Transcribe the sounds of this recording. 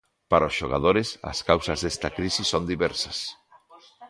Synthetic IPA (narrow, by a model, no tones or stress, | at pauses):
paɾɐosʃoɣa̰ðoɾɪsɐ̰skawsɐzðɛst̪ɐkɾisisond̪iβɛɾsɐs